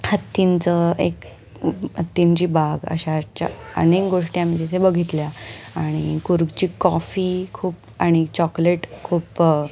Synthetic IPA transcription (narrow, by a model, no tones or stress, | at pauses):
hət̪ːint͡səek | ɦət̪ːiɲt͡ɕiːbaɡə̰ɕat͡ɕa̰ə̰nekɡoʂʈjãmid͡ʑit̪ʰebəɡʱit̪ljaaɽ̃ikuɾɡt͡ɕiːkɔfiːkʰuːp | aɽ̃it͡ɕɔkleʈkʰuːp